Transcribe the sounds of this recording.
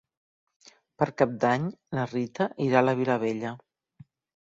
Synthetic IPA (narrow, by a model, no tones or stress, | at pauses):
pəɾkap̚d̪aɲlərit̪əʔiɾaləβiləβ̞eʎə